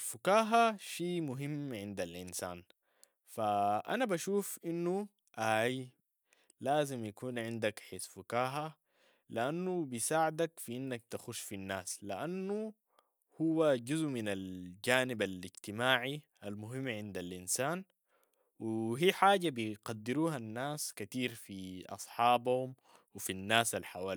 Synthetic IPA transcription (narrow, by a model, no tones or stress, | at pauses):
alfukaːɦaʃiːmʊɦimːʕɪnd̪alʔinsa̰ːn | faʔa̰nabaʃuːfʔinːu | ʔaj | laːzimjakuːnʕɪnd̪akħesfukaːɦa | liʔanːubisaːʕad̪akfiʔinːak̚t̪axuʃfinːaːsliʔanːu | huwːaɟuzʔminald͡ʒaːnibaliɟt̪imaːʕiʔalmʊɦimːʕɪnd̪alʔinsaːn | wiɦiːħaːɟabiqɑd̪ːiɾuːɦanːaːskat̪iːɾfiʔɑ̰sˤħɑːbhum | wifinːaːsalħawaː